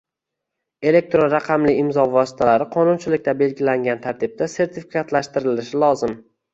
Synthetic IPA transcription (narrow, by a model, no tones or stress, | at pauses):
e̞le̞k̚t̪ɾonɾaqʰɑmlɪɪmzɒvɒsɪ̥t̪ʰalaɾɪqʰɒnʊnt͡ʃʰɪlɪk̚ʲt̪ʰabe̞lɡʲɪlaŋɡʲant̪ʰaɾt̪ʰɪb̚t̪ase̞ɾt̪ʰɪfi̥kʰat̪laʃt̪ɪɾɪlɪʃɪlˠɒzɪm